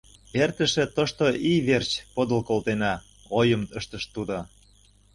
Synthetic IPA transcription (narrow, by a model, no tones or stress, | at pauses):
ert̪ə̆ʃĕt̪oʃt̪oʔiβert͡ɕpod̪ə̆lkolt̪enɑ | ojə̆məʃt̪ə̆ʃt̪ud̪o